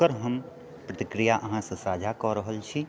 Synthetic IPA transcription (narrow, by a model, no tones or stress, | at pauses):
əɾɦɐm | pɾət̪ɪkɾijaʔəɦãsesaːd͡ʒʱakɔɾəɦəlt͡ʃʰi